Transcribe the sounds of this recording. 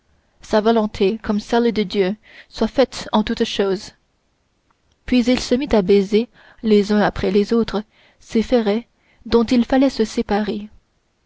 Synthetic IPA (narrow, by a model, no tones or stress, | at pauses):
savɔlɔ̃t̪ʰekɔmsɛld̪əd̪jø | swafɛt̪ɑ̃t̪ut̪ʃoːz | pɥizilsəmit̪abeze | lezœ̃apχɛlezot̪χə | sefɛʁɛ | d̪ɔ̃t̪ilfalɛsəsepaʁe